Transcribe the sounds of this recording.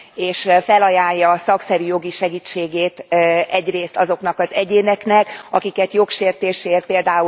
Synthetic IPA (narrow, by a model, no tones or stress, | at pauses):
eːʃfɛlɒjaːjːɒːsɒksɛɾyjo̞ɡiʃɛɡit͡ʃːeːɡeːt̪ɛɟreːst̪ɒzo̞knɒkɒzɛɟeːnɛknɛkɒkikɛt̪jo̞kʃeːrt̪eːʃeːrt̪̚peːld̪aːu